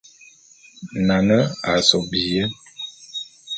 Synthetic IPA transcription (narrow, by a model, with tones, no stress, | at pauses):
na˨nə˦a˨sɔ˨bi˨jə˦